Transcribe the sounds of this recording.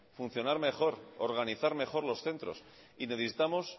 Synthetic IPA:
fun̟θjo̞naɾme̞χo̞ɾoɾɣaniθaɾme̞xo̞ɾlo̞sθe̞nt̪ɾo̞̰s | ineθisit̪amo̞s

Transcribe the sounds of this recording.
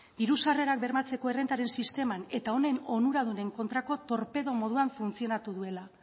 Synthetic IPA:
d̪iɾusare̞ɾak̚be̞ɾmat͡se̞ko̞erent̪aɾe̞nsist̪e̞mane̞t̪ao̞ne̞no̞nuɾaðune̞ŋko̞nt̪ɾako̞t̪o̞ɾpe̞ðo̞mo̞ð̞uaɱfunt͡sio̞nat̪uðue̞la

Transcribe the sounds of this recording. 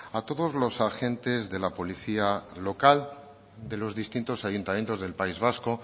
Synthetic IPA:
at̪o̞ðo̞zlo̞saxe̞nt̪e̞zðe̞lapo̞liθialo̞kal | d̪e̞lo̞zðist̪int̪o̞sajunt̪amjent̪o̞zðe̞lpaizβ̞asko̞

